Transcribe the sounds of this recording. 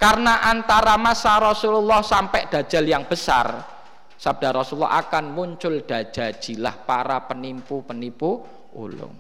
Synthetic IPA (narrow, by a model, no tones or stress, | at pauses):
karnaʔant̪aɾamasaɾɔsululːɔhsampɛʔd̪̥ä̤̥d͡ʒ̥a̤ljaŋb̥əsa̰r | sab̚d̥a̤ɾɔsulːɔ̰ʔa̰kanmuɲt͡ʃʊld̥a̤̥d͡ʒ̥a̤d̥ʒ̥i̤lahpaɾapənimpupənipu | ṵlʊ̰ŋ